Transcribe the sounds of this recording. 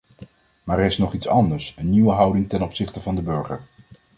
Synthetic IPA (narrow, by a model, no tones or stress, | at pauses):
maːɹɪsnɔχitsɑndəɹsənːiʋəɦɑwdɪŋtɛnɔpsɪχtəvɑndəbɵɹχə̰ɹ